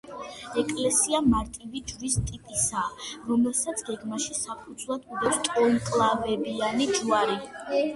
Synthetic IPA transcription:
ɛkʼlɛsiamaɾt̪ʼivid͡ʒɾist̪ʼipʼisaɾɔmɛlˠsat̪sʰɡɛɡmaʃisapʼud̪zʰlˠad̪ud̪ɛpst̪ʼɔŋkʼlˠavɛbianid͡ʒuaɾi

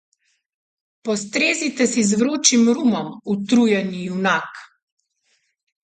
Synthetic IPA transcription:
pɔst̪ɾeːzit̪ɛsizʋɾoːt͡ʃimɾumɔmut̪ɾujɛnijunak

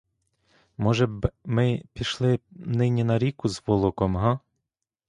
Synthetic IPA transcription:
mɔʒɛbmɪpʲiʃlˠɪnɪnʲinɐɾʲikʊzʋɔlˠɔkɔmɦɑ

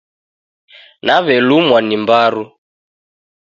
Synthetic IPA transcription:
naβɛlumwanimbaɾu

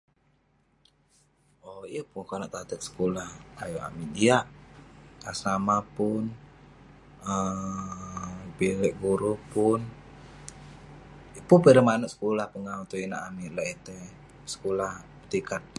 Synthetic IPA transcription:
ojəpuŋkanaʔt̪at̪ək̪̚sə̥kolahajua̰midiaʔ | asamapʊn | ə | bilɛʔɡuɾupʊn | əpunpəɾəmanuʔsə̥kolahpəŋaut̪uinaʔamilait̪ɛ | sə̥kolahpə̥t̪ikat̪̚

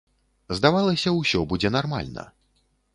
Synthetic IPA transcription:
zd̪avalˠɐsʲɐwsʲɔbud͡zʲɛnarma̰lʲnɐ̰

